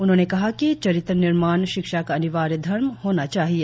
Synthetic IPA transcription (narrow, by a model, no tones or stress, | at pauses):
ʊnɦõːnekɐɦakit͡ʃɐɾɪt̪ɾənɪɾmaːnʃɪkʃakaɐnɪʋaːɾjd̪ʱɐɾmhoːnat͡ʃaːɦieː